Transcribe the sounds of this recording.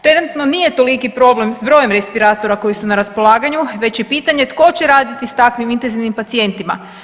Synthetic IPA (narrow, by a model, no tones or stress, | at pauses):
t̪ɾe̞nut̪no̞nije̞t̪o̞likipɾo̞ble̞msbɾo̞je̞mɾe̞spiɾaːt̪o̞ɾako̞jisunaɾaspo̞lˠaːɡaɲuʋe̞t͡ɕjepiːt̪aɲe̞t̪ko̞t͡ɕe̞ɾaːd̪it̪ist̪akʋimint̪enziʋnimpat̪sije̞nt̪ima̰